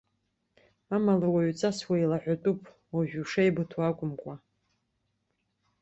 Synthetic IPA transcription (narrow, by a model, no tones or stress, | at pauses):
amalawaɥt͡sʼaswailaħʷatʼupʼ | waʒᶣuʂajbɨtʰwakʷʼʊmkʷʼa